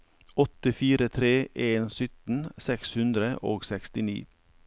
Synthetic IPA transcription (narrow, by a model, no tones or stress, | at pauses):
ɔt̪əfiːɾət̪ʰɾeːʔeːnsʏt̪n̩sɛkshʉnd̪ɾəʔo̰ːɡsɛkst̪ɪnḭː